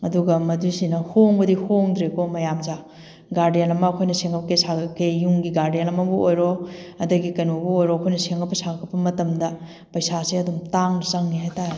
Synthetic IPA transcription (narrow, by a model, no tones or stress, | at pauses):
ɐduɡɐmɐdusinɐhoŋbɐdihoŋdɾekomɐjamza | ɡaɾdijenɐmɐkʰojnɐseŋɐpɐkesaɡkejuŋɡiɡaɾdijenɐmɐbuojɾoɐdɐɡikɐnobuojɾokʰojnɐseŋɐpːɐsakkʰɐpːɐmɐtɐmdɐ | pɐjsaseɐdumtaŋnɐsɐŋniɦajtaɾe